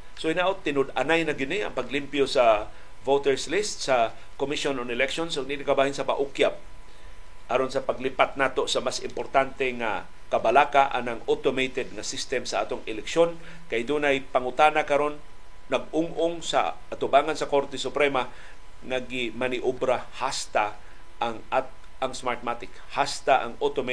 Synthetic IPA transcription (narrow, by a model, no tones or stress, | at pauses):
soɪnaʔʊt̪ːɪnʊd̪anajnaɡɪnɪa̰ŋpaɡlimpjosa | vot̪ɛɹslɪst̪̚sa | komiʃononɪlɛkʃonsʊɡ̚ninɪkabaːhɪnsapa̰ʔʊkjap̚ | ʔaɾonsapaɡlipat̪̚naːt̪osamasɪmpoɾt̪ant̪ɛŋa̰ | kabalakaʔa̰naŋot̪omejt̪ɛd̪̚ŋasɪst̪ɛmsaʔa̰ːt̪oŋɛlɛkʃon | kajd̪uːnajpaŋʊt̪anakaɾonː | aɡ̚ʊŋʔʊŋsa̰ʔat̪ʊbaːŋansɐkoɾt̪ɛsʊpɾɛma | ŋaɡɪmanɪʔobɾahast̪a | ʔaŋa | aŋsmaɹt̪̚mat̪ɪkhast̪aʔa̰ŋot̪ome